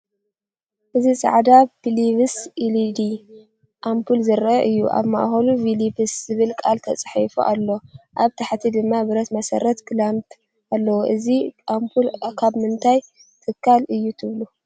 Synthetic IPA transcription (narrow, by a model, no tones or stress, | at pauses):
ʔɨzisʼa̰ʕd̪abiliβɨsʔilid̪i | ʔampʰulzɨɾɐʔɨjːuʔa̰βma̰ʔxɐluvilibɨszɨβɨlkʼalt̪ʰɐt͡sʼħifṵʔalːo̞ʔaβt̪ʰaħt̪ʰid̪ɨmːabɨɾɐt̪mɐsɐ̰ɾɐt̪kɨlamt̪ʰʼ | ʔalːɐwoʔɨziʔampʰulkʰaβmɨnt̪ʰaj | t̪ʰɨkʰːalɨjːut̪ʰɨβlu